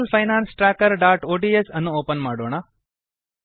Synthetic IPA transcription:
lpʰɐjnaːnsʈɾaːkɐɾɖaːʈoːʈiesɐnːuoːpɐnmaːɽoːɳ̃a

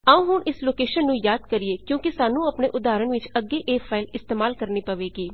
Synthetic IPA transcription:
əũːɦʊɳʔɪsloːkeːʃənːũːjaːd̪kəɾieːkjõːkisaːnũːəpneːʔʊd̪aːɾəɳʋɪt͡ʃəɡːeːʔeːpʰaːɪlɪst̪eːmaːlkəɾniːpəʋeːɡiː

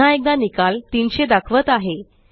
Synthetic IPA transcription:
ãek̚d̪anikalt̪iːnɕed̪akʰʋət̪aɦe

